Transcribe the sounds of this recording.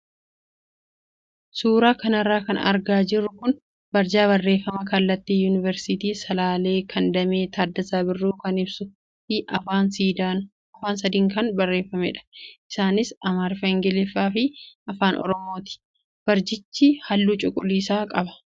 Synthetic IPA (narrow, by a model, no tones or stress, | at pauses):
suːɾaːkɐnɐrːaːkɐnɐ̰ɾɡaːd͡ʒɪrːʊkʊn | bɐɾd͡ʒaːβɐrːe̞ːfːɐmɐkɐlːɐt̪ːiːjuːnɪvɛɾsiːt̪iːsɐlaːle̞ːkʰɐnd̪ɐmeːt̪ʰaːd̪ːɐzaːbɪrːuːkɐnɪbsʊ | ɪʔɐaːnsiːd̪a | ɐfaːnsɐd̪iːŋkɐnbɐrːe̞ːfːɐmɛ̰ᶑɐ̥ʔɪsaːnɪsɐmaːɾfɛŋɡɛlɪfːaːfɪʔɐfaːnʔɔ̰ɾɔmo̞ːt̪ɪ̥ | b̥ɐɾd͡ʒɪt͡ʃːihɐlːuːt͡ʃʼʊkʼʊlːiːsaːkʼɐbɐ̥